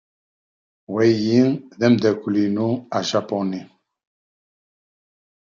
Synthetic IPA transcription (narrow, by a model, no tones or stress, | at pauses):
wɛjiŋðɛmd̪ɛkulinuaʃapɔni